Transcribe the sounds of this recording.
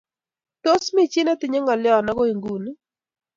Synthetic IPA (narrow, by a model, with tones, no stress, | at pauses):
to˦smɪ˦t͡ʃi˦na˦tɪ˨ɲe˦ŋɔ˨lɪ˦ɔ˦˨na˦ɡo˦i˨ŋɡu˨n˦